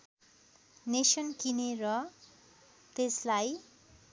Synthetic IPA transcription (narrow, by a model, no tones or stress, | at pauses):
nesʌnkineɾʌ | t̪eslaj